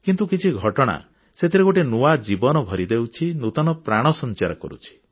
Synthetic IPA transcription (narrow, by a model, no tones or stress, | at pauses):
kint̪ukit͡ʃʰiɡʱɔʈɔɽ̃a̰ | set̪ʰiɾeɡoʈenuad͡ʒibɔnɔbʱɔɾid̪ewt͡ʃʰinut̪ɔnɔpɾaɽ̃ɔsɔnt͡ʃaɾɔkɔ̰ɾṵt͡ʃʰi̥